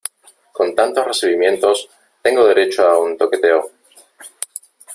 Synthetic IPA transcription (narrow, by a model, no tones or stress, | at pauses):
ko̞nt̪ant̪o̞sre̞siβ̞imjẽ̞nt̪o̞s | t̪e̞ŋɡoðe̞ɾe̞t͡ʃoaunt̪o̞ke̞t̪e̞o